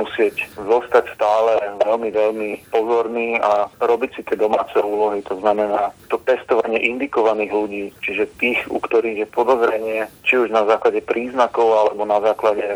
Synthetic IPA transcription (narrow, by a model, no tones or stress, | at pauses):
musɪɛczɔst̪acst̪aːlɛʋɛlmiʋɛlmipɔzɔɾniːaɾɔbicsit̪ɪɛd̪ɔmaːt͡sɛuːlɔɦit̪ɔznamɛnaːt̪ɔpɛst̪ɔʋaɲɪɛʔind̪ikɔʋaniːɣluɟiːt͡ʃiʒɛt̪iːɣṵkt̪ɔɾiːɣjɛpɔd̪ɔzɾɛɲɪɛt͡ʃiuʒnazaːklaɟɛpɾiːznakɔʊalɛbɔnazaːklaɟɛ